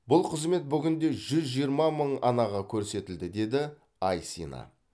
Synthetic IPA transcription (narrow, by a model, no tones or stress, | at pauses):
bʊlˠqʰəzme̞t̪̚bʏɡʲɪnd̪e̞ʒʏzʒijəɾmɑməɴɑ̰nɑʁɑkʲʰɵɾse̞t̪ɪld̪ɪd̪e̞d̪ɪ | ɑjsḭnɑ̰